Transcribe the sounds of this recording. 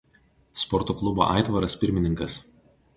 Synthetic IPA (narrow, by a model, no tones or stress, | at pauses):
spɔɾt̪oklˠʊbo̰ːʔɑ̰ˑɪt̪ʋɐɾɐspʲɪɾʲmʲɪnʲɪŋkɐs